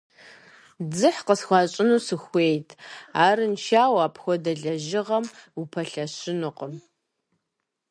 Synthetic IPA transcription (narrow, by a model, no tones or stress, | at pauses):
d͡zɨħqəsxʷɑːɕʼɪnuːsɨxʷeːjtʰaːɾɨnʃaːwaːpʰxʷɔdɐɮɐʒɪʁɐmupʰɐɬɐɕɪnʊqəm